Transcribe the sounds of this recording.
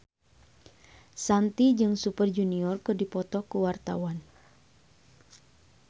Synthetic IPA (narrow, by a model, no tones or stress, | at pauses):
sant̪id͡ʒɨŋsupərd͡ʒuniɔrkɨrdipɔt̪ɔkuwart̪awan